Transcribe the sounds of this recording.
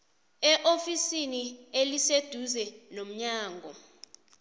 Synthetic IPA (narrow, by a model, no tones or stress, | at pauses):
ɛʔofisinielised̥ʱuzɛnom̩ɲaːŋɡʱɔ